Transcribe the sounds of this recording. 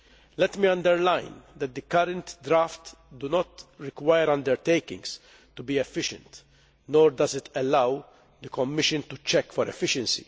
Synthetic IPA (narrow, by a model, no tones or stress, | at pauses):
lɛt̪miɐ̃nd̪ɛɾlajnd̪ɛt̪̚d̪ɨkɐɾɛ̃nt̪d̪ɾaːft̪ | d̪unɔt̪ɾɪkwajəɾɐ̃nd̪ɛɾt̪ejkɪ̰̃ŋɡs | t̪ubiɛfːɪʃɛ̰̃nt̪ | nɔːɾd̪ɐzɪt̪ɛlɐw | d̪əkɔmːɪʃɨ̃nt̪ut͡ʃɛkːfɔɾɛ̰fɪʃɛ̃nsḭ